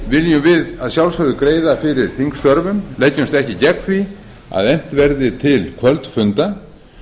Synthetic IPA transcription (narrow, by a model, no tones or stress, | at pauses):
vɪljʏmvɪðaðsjawlsœɣðʏkɾeːjðafɪɾɪɾ̥θiŋkst̪œɾvʏmlɛjcːʏmst̪ɛhcɪcɛkfɾi | a̰ðejm̥t̪vɛɾðɪt̪ʰɪlkʰvœlt̪fʏnt̪a